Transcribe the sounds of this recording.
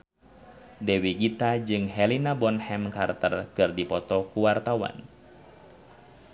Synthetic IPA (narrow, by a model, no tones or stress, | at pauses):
dɛwiɡit̪ad͡ʒɨŋɦɛlinabɔnhɛmka̰rt̪ə̰rkɨrdipɔt̪ɔkuwart̪awa̰n